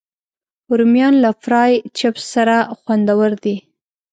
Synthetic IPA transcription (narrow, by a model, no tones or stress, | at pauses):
ʊɾmjɑnlafɾɑjt͡ʃapsːaɾaxwand̪awəɾd̪i